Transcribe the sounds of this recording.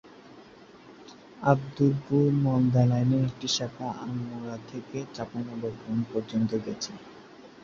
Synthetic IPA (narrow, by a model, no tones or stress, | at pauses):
abd̪ulbuɾmɔnd̪alajneek̚ʈiʃakʰaʔamuɾat̪ʰeket͡ɕaponabɔɡɾonpɔɾd͡ʑont̪oɡɛt͡ɕʰe